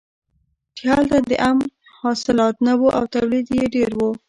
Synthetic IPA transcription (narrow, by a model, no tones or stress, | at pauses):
ʈjɑlt̪ad̪əʔam | hɑsɪlɑt̪nawoʔawt̪awlid̪jeɖeɾwu